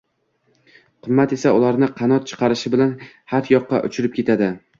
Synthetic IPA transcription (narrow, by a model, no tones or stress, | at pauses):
qʰɨmːat̪e̞saʊlaɾnɪqʰɑnɒt̪̚t͡ʃʰɨ̥qʰɑɾɪʃɪbɪlan | hat̪jɒqːɑ̰ʔʊ̰t͡ʃʰɪɾɪp̚kʲe̞t̪ʰad̪ɪ